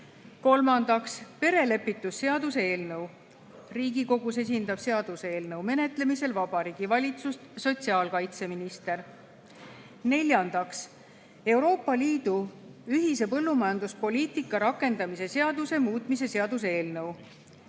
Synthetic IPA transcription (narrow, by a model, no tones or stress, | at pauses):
ko̞lmɑnd̪̥ɑkspe̞ɾe̞le̞pːˑit̪ːˑusːe̞ɑd̪usee̞ːlnɤw | riːɡiko̞ɡ̥us̬e̞s̬ʲind̪ɑb̥se̞ɑd̪̥useːlnɤwme̞ne̞t̪le̞mise̞lvɑb̥ɑɾiːɡ̥ivɑlʲit̪sust̪so̞t̪ʲsiɑːlkɑjt̪se̞minist̪e̞r | ne̞lʲjɑnd̪̥ɑks | e̞wɾo̞ːpːˑɑliːd̪̥uyɦise̞pɤlːumɑjɑnd̪uspo̞liːt̪ikːˑɑɾɑkːˑe̞nd̪ɑmise̞se̞ɑd̪use̞muːt̪ˑmise̞se̞ɑd̪̥us̬e̞ːlnɤw